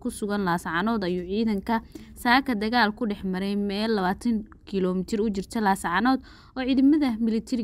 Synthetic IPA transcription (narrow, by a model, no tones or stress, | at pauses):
kʰʊsʊɣɐnlaːsʕɑnɔːd̪ɐjʊʕiːðɐŋkʰɐsaːkʰɐd̪ɐɣaːlkʰʊɖɛħmɐɾɛjmɛːlːɐβaːt̪ʰɐŋ | kʰilɔːmɪt̪ʰɪrʊt͡ʃɪrt̪ʰɐlaːsʕɑnɔːd̪ | ɔːʕiːðɐmɐðɐmɪlɪt̪ʰɛɾɪ